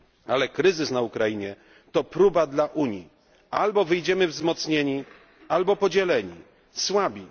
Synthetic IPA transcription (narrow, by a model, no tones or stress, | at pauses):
alɛkɾɘzɘsnaukɾajiɲɛ | t̪ɔpɾubad̪laʔuɲji | albɔvɘjd͡ʑɛmɘvzmɔt̪sɲeɲi | albɔpɔd͡ʑɛlɛɲḭ | swabʲi